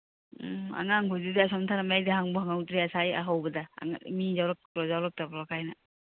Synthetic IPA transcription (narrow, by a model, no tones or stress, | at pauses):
a̰ŋaŋɦɔzidiasɔmtʰanamajdaɦaŋbɔhaŋawtɾiasaja̰ɦawbada̰mizawɾɔk̚ɾɔzawɾɔk̚tapɾkʰajna